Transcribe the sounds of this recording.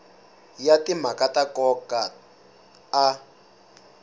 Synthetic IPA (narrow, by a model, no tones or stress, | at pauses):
jatimakatakɔka